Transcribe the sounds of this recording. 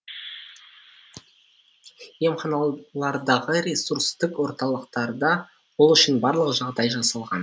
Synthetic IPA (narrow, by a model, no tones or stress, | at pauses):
jemχɑnɑlˠɑɾd̪ɑʁəɾesuɾst̪ɪkwo̞ɾt̪ɑlˠəqt̪ɑɾd̪ɑ | wolˠʏʃɪnbɑɾlˠəʁəʒɑʁd̪ɑjʒɑsɑlˠʁɑn